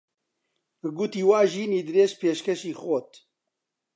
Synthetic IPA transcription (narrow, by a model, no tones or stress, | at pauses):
bɨɡuːt̪iːwaːʒiːniːd̪ɨɾeːʃpeːʃkɛʃiːxoːt̪